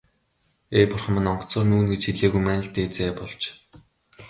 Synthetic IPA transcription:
eːpʊrχə̆mɘ̆nɔɴɢ̥̆ʰt͡sə̆ːrnuːnɡet͡ɕxiɮeːɣujmæːnə̆ɬt̪eːt͡seːpɔɮt͡ɕ

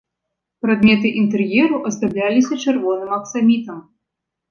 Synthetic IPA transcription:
pɾad̪mʲɛt̪ɨʔint̪ɛrjɛɾuʔɐzd̪ablʲalʲisʲɐt͡ʂɨrvɔnɨmɐksamʲit̪ɐm

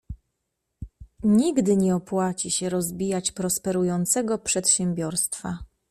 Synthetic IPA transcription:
ɲiɡd̪ɘɲɛɔpwat͡ɕiɕɛɾɔzbʲijat͡ɕpɾɔspɛɾujɔnt̪sɛɡɔpʂɛt̪ɕɛmʲbʲjɔɾst̪fa̰

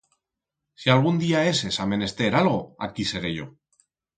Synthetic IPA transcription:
sialɣ̞und̪iae̞se̞samẽ̞ne̞st̪e̞ɾalɣ̞oakise̞ɾe̞ʝo̞̰

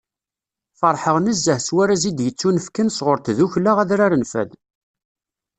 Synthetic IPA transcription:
fɑɾˤħəʁnəzːəhswæɾæzid̪jət͡sːunəfkənsʁʊɾθðuçlæʁæðɾaɾənfæ̰ð

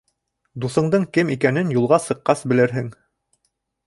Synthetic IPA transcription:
d̪uθɤ̆ɴd̪ɤɴkɘmikænɘnjulˠʁɑsɤ̆qːɑsbɘ̆lɘɾɦɘŋ

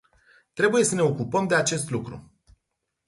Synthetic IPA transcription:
t̪ɾe̞buje̞səne̞o̞kupəmd̪e̞at͡ʃe̞st̪lukɾṵ

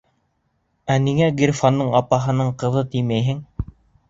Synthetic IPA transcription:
æniŋæɡirʲfanːɤɴɑpɑɦɤ̆nɤɴqɤ̆ðɤt̪ijmæjɦɘŋ

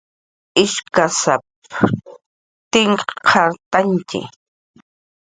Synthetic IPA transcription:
ɪʃkasap | t̪ɪŋqʰaɾt̪ant͡ʃɪ̰

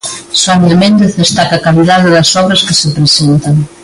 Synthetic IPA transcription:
swanemẽnd̪eθðest̪akɐakaliðaðɪðɐsɔβɾɐskɪsɪpɾesent̪ɐŋ

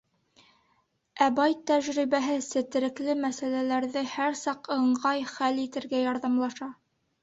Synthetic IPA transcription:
æbɑjt̪ːæʒɾiβæɦɘsɘ̆t̪ɘ̆ɾɘ̆klɘmæsælælæɾðɘhæɾsɑqɤ̆ɴɢɑjχælit̪ɘ̆ɾɡæjɑɾðɑmlˠɑʃɑ

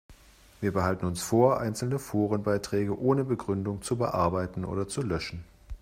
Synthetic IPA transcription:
viːɐbəɦaltn̩ʊnsfoːɐʔa̰ɪnt͡sl̩nəfoːʁ̞ənbaɪtʁ̥ɛːɡəʔoːnəbəɡʁʏndʊŋt͡subə̰ʔaɐbaɪtn̩ʔo̰ːdɐt͡sulœʃn̩

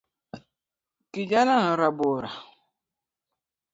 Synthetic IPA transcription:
kid͡ʒanaŋ̩ɾaboɾa

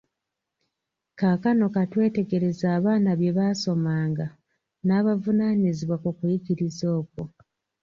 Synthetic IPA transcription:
kakano̞katwe̞ːte̞ɡe̞ɾe̞zaːβaːnaβje̞βaso̞maːŋɡa | naːβavunaːɲiziβwakukujikiɾizo̞ːko

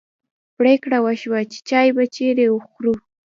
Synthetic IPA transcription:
pɽekɽawaʃwat͡ʃe̥t͡ʃɑjbat͡ʃeɾeʊxɾu

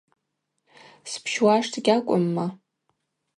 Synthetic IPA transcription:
spʰʃwaʂtʰɡʲakʷʼʊmːa

